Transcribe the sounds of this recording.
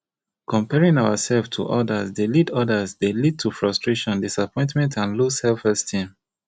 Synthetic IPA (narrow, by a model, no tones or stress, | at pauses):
kɔ̃mpɛɹĩŋaʊwasɛlftʰṵʔɔdasdelidɔdəsdelid̚tʰufɹɔstɹeʃɔ̃ndisapɔ̃ɪ̃ntmɛ̃ntãnlushɛlfɛstʰĩm